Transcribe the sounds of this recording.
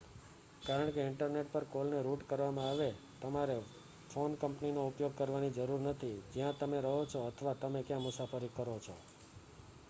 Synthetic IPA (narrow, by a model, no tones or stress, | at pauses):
kaɾəɳkeɪɳʈəɾneʈ̚pəɾkolneɾuʈkəɾʋamãaʋe | t̪əmaɾe | fʰonkəmpninoupjoɡ̚kəɾʋanid͡ʒəɾuɾnət̪ʰid͡ʒjãt̪əmeɾəɦot͡ʃʰoət̪ʰəʋat̪əmekjãmʊsafəɾikːəɾot͡ʃʰo̰